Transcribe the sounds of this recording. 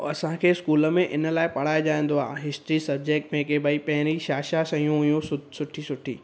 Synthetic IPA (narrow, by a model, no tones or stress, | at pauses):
ɐsãkʰeːskuːləmẽʔɪnəlaːɪpɐɽ̤aːjoʄaːẽːn̆d̪oaːɦɪsʈɾisɐb̚d͡ʑek̚ʈmẽkebaːipɐ̃ɦɪ̃ɾiʃaːʃasɐjũɦʊjũsʊsʊʈʰisʊʈʰḭː